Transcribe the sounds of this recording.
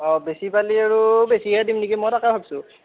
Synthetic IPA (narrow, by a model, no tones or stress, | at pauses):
ɔbesipaliaɹubesiadimnikimɔjtakabʱabsʊ̃